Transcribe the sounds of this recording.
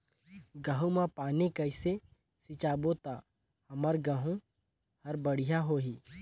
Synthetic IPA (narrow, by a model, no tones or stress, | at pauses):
ɡəɦũmãpaːnikəɪse | sɪt͡ʃaːbot̪aː | hɐməɾɡəɦũ | hɐɾbəɽ̤ijaɦoːɦiː